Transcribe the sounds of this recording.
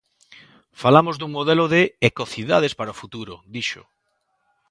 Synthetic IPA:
falamozðuŋmoðɛloðeekoθiðað̞espaɾaofut̪uɾod̪iʃo̰

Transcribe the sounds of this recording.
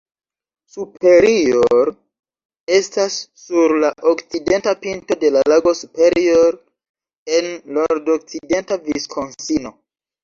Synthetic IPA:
supʰe̞ɾioɾ | e̞stasː | uɾlaʔokt͡side̞ntapinto̞de̞lalaɡo̞supe̞ɾioɾ | e̞nloɾdok̚t͡side̞ntaviskʰo̞nsino̞

